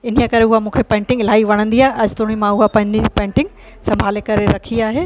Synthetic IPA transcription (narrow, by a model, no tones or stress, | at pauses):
ɪn̤ijəkɐɾeʊɦamũːkʰepɛ̃ːɳʈɪ̃ŋɡlaːiʋɐɽ̃ə̃nd̪iaːɦeʔɐd͡ʑt̪ʊːɽ̃imãʊɦapɐ̃ɦɪ̃ɲ̆d̪id͡ʑipɛ̃ːɳʈɪ̃ŋɡ | sɐ̃mbʱaːlekɐɾeɾɐkʰiaːɦeː